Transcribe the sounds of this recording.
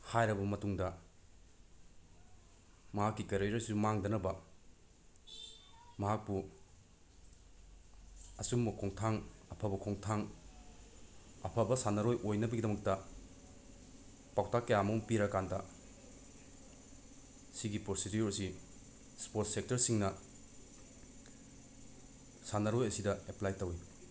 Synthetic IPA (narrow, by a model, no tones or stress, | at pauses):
hajɾɐbɐmɐtuŋdɐ | mɐɦakːikɐɾejɾɐsumaŋdɐnɐbɐ | mɐɦak̚pu | ɐsumbɐkʰoŋtʰaŋɐpʰɐbɐkʰoŋtʰaŋ | ɐpʰɐbɐsanɐɾojʔojnɐbɐɡidɐmɐk̚tɐ | pawtakːɐjamɐuŋpiɾɐkandɐ | siɡipɾosidjuɾɐsi | spotsek̚tɐɾsiŋnɐ | sanɐɾojɐsidɐeplajtɐwi